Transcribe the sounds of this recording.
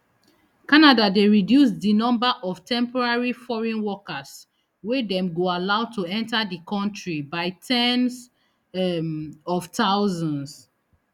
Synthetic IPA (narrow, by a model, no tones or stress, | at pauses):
kanadadeɹidjusdinɔ̃mbaʔɔftʰɛ̃mpɔɹaɹifɔɹɛ̃nwɔkas | wedɛ̃mɡoalaʊtʰuɛ̃ntadikʰɔ̃ntɹibaɪtʰɛ̃ns | ɔvtʰaʊzɔ̃ns